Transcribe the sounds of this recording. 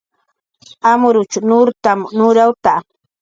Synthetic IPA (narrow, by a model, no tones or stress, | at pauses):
amʊɾʊt͡ʃʊnʊɾt̪amnʊɾawt̪a